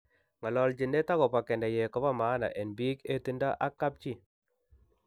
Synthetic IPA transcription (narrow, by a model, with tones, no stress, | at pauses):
ŋa˨lɔ˨ld͡ʒi˨ne˦ta˦ɣɔ˨pa˨kɛ˨nda˨jɛ˨kɔ˨˦βa˦maː˨˦na̰˨ʔɛ˨nbi˦ke˦ti˦nda˦ʔa˦kːa˦p̚t͡ʃi˦